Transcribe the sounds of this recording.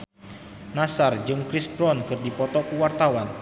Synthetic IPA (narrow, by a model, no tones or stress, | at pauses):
nasard͡ʒɨŋkɾisbɾɔnkɨrdipɔt̪ɔkuwart̪awan